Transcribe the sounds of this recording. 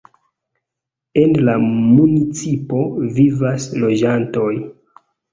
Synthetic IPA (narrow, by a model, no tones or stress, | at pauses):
e̞nlamunit͡sipo̞vivaslo̞d͡ʒanto̞j